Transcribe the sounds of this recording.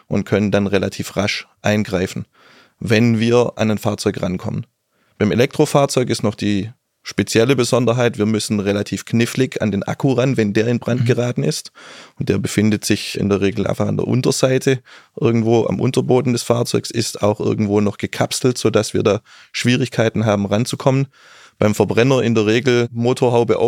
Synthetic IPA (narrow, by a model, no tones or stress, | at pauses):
ʔʊnt̚kʰœnəndanʁelatʰiːfʁaʃʔa̰ɪnɡʁaɪfn̩ | vɛnviːɐʔa̰naɪnfaːɐt͡sɔʏkʁankʰɔ̰mən | b̥aɪmelɛk̚tʁ̥ofaːɐt͡sɔʏkɪstnɔχd̥iː | ʃpet͡sjɛləbəzɔndɐɦaɪtv̥iːɐmʏsn̩ʁelatʰiːfknɪflɪça̰ndeːnʔa̰kʰuʁanvɛndeːɐɪnbʁant̚ɡ̥əʁaːtn̩ɪstʊnt̚d̥eːɐbəfɪndətz̥ɪçʔɪ̰ndeːɐʁeːɡl̩ʔa̰ɪnfaχa̰ndḛɐʔʊ̰ntɐzaɪtʰəʔɪɐɡŋ̩tv̥oːʔa̰mʔʊ̰ntɐboːdn̩dɛsfaːɐt͡sɔʏksɪsta̰ʊxʔɪ̰ɐɡŋ̩tv̥oːnɔχɡ̥əkʰapsl̩tz̥oːdasv̥iːɐdaː | ʃv̥iːʁɪçkʰaɪtn̩ɦaːbm̩ʁant͡sukʰɔmən | b̥aɪmfɛɐbʁɛnɐʔɪndeːɐʁ̞eːɡl̩moːtʰoːɐɦaʊbəʔa̰